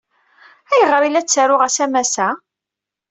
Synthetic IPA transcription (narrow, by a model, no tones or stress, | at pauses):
æjəʁɾilæt͡sːaɾʊʁæsæmæsæ